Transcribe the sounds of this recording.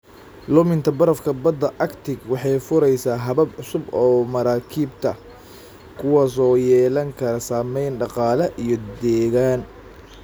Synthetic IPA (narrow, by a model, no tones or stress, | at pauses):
lʊmɪnt̪ʰɐbɐɾɐfkʰɐbɐd̪ɐʔɐkt̪ʰɪɡwɑħɑjfʊɾɛjsaːɦɐβɐbʕʊsʊbɔːmɐɾaːkʰiːbt̪ʰɐ | kʰʊwɑːsɔːjɛːlɐŋkʰɐɾɐsaːmɛjnɖɑqɑːlɐʔijɞd̪ɛːɣaːn